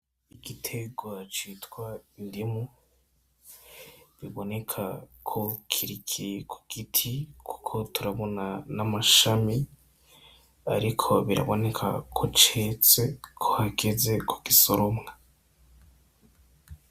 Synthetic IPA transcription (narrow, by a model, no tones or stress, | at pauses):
iɡ̥itʰe̞ɡwat͡ʃitwwaindimu | βiβone̞kʰakʰokʰiɾikʰikʰu̥ɡ̥itʰikʰu̥kʰo̞tuɾaβo̞nanamaʃami | a̰ɾikʰo̞βiɾa̰βo̞ne̞kʰa̰kʰot͡ʃet͡se̞kʰohaɡe̞ze̞kʰu̥ɡ̥isoɾo̞mŋa